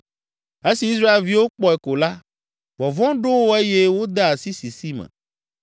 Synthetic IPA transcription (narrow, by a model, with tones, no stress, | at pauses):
e˦si˨i˦s̬ɾa˦e˨lvi˦wo˦k͡pɔ˦ɛ˨ko˨la˦ | vɔ˨vɔ̃˦ɖo˦wo˦e˦je˦wo˦d̪e˦a˨si˦si˨si˦mɛ̰̃˨